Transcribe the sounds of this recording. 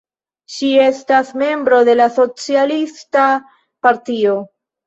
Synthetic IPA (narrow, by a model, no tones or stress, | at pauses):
ʃie̞stasme̞mbɾo̞de̞laso̞t͡sialista | paɾtio̞